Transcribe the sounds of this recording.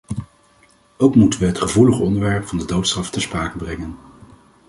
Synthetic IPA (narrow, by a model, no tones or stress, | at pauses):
owkmutənʋəɦətχəvuləχɔndəɹʋɛɹpfɑndədowtstrɑftəɹspraːkəbrɛŋən